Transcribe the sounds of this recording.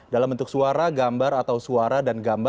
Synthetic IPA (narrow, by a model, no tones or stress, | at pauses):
dalambənt̪ʊk̚suaɾaɡambaɾat̪awsuaɾadanɡamb